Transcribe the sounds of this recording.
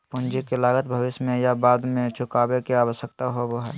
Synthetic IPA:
pʊnd͡ʒikelaːɡət̪bʱəʋɪʃjmẽjabaːd̪mẽt͡ʃʊkaːbekeaːʋəʃjək̚t̪aɦoboɦɛː

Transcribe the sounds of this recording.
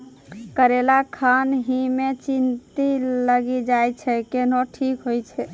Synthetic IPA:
kəɾelakʰanɦimet͡ʃint̪iləɡid͡ʒajt͡ʃʰɛkenoʈʰikɦojt͡ʃʰɛ

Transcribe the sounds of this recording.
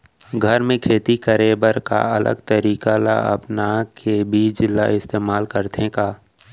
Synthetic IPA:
ɡʱəɾmẽkʰeːt̪ikəɾeːbəɾka̰ɐlə̰ɡt̪əɾiːkala̰ɐ̰pnakʰebʱid͡ʒɪlːa̰ɪst̪eːmaːlkəɾt̪ʰẽkaː

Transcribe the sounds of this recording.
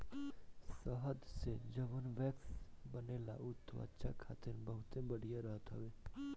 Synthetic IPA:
səɦəd̪sed͡ʒəʋənʋɛːksbənela̰ʊt̪ʰːʋa̰tːʃʰa̰kʰa̰ːt̪ɪɾbəɦʊt̪ẽbɐɽ̤ijaɾəɦət̪ɦəʋeː

